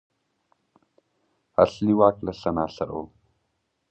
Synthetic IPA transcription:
a̰ɬniwaːkʼlɐɬɐnaːɬɐro̰w

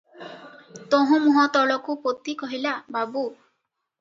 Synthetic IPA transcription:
t̪oɦũmuɦɔt̪ɔɭɔkupot̪ikɔɦilababu

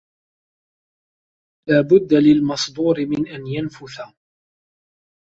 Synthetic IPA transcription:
laːbʊd̪ːalɪlmɑsˤd̪ˤuːɾɪmɪnʔanjanfʊθa

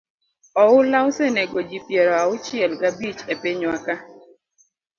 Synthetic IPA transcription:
ɔʊlaʊseneɡɔd͡ʒipjɛɾɔaʊt͡ʃɪɛlɡabit͡ʃepeɲwaka

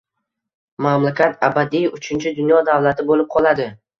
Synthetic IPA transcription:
mamlakʲʰat̪ʰabad̪ijʊt͡ʃʰɪnt͡ʃʰɪd̪ʊnjɒd̪avlat̪ʰɪbolɪp̚qʰɒlˠad̪ɪ

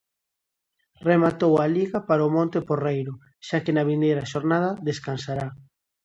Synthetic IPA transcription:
remat̪owaliɣapaɾaomõnt̪eporejɾʊ | ʃakenaβ̞inejɾaʃoɾnað̞ɐðeskansaɾa

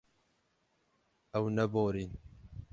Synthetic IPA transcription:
ɐwnɐboːɾin

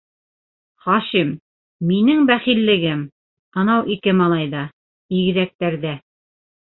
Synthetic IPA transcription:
χɑʃimː | inɘŋbæχilːɘ̆ɡɘm | ɤ̆nɑwʔikɘmɑlˠɑjðɑ | iɡɘ̆ðæk̚t̪æɾðæ

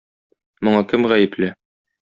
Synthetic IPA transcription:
mŏɴɑkɘmʁæjɘ̆plɘ

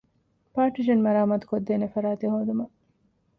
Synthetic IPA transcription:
paːʈid͡ʒɐnmɐɾaːmat̪u̥kod̪ːeːnefɐɾaːt̪eɦoːd̪umɐ

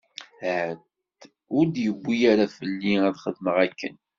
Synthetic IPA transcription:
ʕət̪ | ʊɾd̪jəbʷːijaɾafəlːiæðχəðməʁækːə̰n

